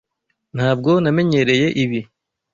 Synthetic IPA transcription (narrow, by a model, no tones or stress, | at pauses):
n̥haːb̚ɡo̞name̞ɲe̞ɾe̞je̞ʔiβi